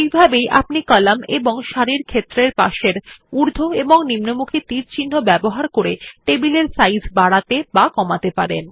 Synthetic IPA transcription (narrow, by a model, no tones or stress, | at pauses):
ejbʱabejʔa̰pnikɔlamḛboŋʃaɾiɾkʰet̪ːɾeɾpa̰ʃeɾuɾd̪ʱoeboŋnimnomukʰit̪iɾt͡ɕinːobɛboɦaɾkoɾeʈebileɾsajsbaɽat̪ebakɔmat̪epaɾḛn